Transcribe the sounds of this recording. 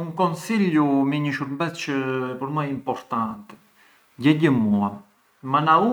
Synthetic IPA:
uŋkɔnsilumɛɲəʃuɾmbɛt͡ʃəpəɾmaimpɔɾt̪ant̪ɛ | ɟɛɟəmua | manau

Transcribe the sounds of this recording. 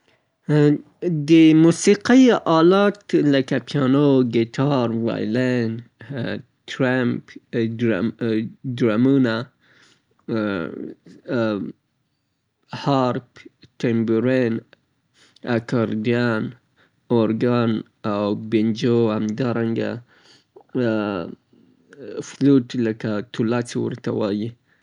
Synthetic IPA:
d̪əmusiqijʔɑlɑt̪lakapʰjɑnoɡet̪ʰɑɾwa̰jlen | t̪ɾamp | dɾamuna | hɑɾpʈembuɾen | akɑɾd̪ijan | oɾɡan | awbend͡ʒohamd̪ɑɾaŋɡa̰ | fluʈləkat̪ulat͡siwə̰ɾt̪awaji

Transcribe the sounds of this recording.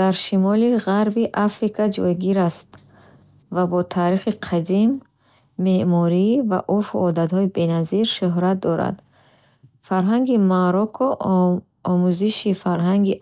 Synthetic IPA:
d̪̥aɾʃimɔliʁaɾbiʔafɾikʰad͡ʒɔ̰jɡiɾast̪ | vabɔt̪ʰaːɾiχiqʰad̪imː | eʔmɔɾiva̰ʔɔɾfṵʔɔd̪at̪hɔibe̞naziɾʃuɦɾat̪̚d̪ɔɾa̰d̪ | faɾɦaŋɡimaɾɔkʰɔ | ɔmuziʃifaɾɦaŋɡi

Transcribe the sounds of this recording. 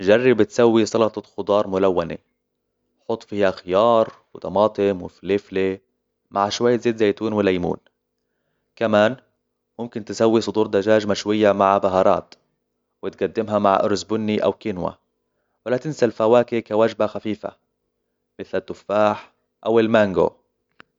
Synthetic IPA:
ʒarˤːibɪt̪sawːisˤɑlɑt̪ˤɑxʊd̪ˤɑːɾˤmʊlawːanḛ | ħʊt̪ˤːfiːhaxɪjɑːɾˤwɪt̪ɑmɑːt̪ˤɪmwɪfilɪfle | maʕʃwaj̪ːzeːt̪zajt̪uːnwɪlajmṵːn | kamaːn | mʊmkɪnt̪ɪsawːisˤʊd̪uːɾd̪aʒaːʒmaʃwɪjːamaʕbaɦɑɾˤɑ̰ːt̪ | wɪt̪̚ɡad̪ːɪmɦamaʕʔʊ̰ɾsbʊnːiʔa̰wkɪnwa̰ | wɪlat̪ɪnsalfawaːkɪkawaʒbaxafiːfa̰ | mɪθlat̪ːʊfːaːħ | ʔawɪlmaŋɡo̰

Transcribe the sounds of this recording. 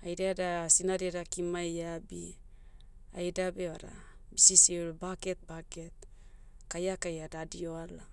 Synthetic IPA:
ajɾaadasinadeɾakimajabi | a̰jdabeaɾa̰ | bisisiɾbaket̪̚baket̪̚ | kajakajadadioala

